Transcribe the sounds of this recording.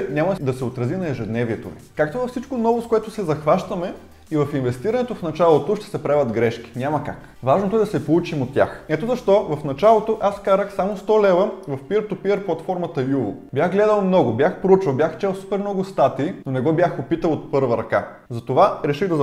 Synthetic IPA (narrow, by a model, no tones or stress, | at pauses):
nʲamɐd̪ɐsɛot̪ɾɐzinɐɛʒɛd̪nɛviɛt̪o̰vḭkakt̪ovɐfsit͡ʃkonɔvoskoɛt̪ʊsɛzɐxvaʃt̪ɐmɛ | ivɐfinvɛst̪iɾɐnɛt̪ofnɐt͡ʃalˠot̪oʃt̪ɛ̥sɛpɾavʲɐd̪ɡɾɛʃk̟i̥nʲamɐka̰k | vaʒnot̪oɛd̪ɐsɛpolˠut͡ʃimot̪ʲːja̰xɛt̪ozɐʃt̪ɔvɐfnɐt͡ʃalˠot̪oʔaskazəxsamost̪ɔlɛvəvɐfpiəɾt̪ʊpiəɾplˠɐt̪fɔɾmɐt̪əjulˠʊ̰bjaxɡlɛd̪əlˠmnɔɡʊbjaxpɾout͡ʃvɐlˠbʲjaxt͡ʃɛlˠsu̥pɛɾmnɔɡʊst̪at̪iːnonɛɡɔbjaxopit̪əlˠot̪̚pɤɾvɐɾɐka̰ | zɐt̪ovaɾɛʃiɣd̪ɐz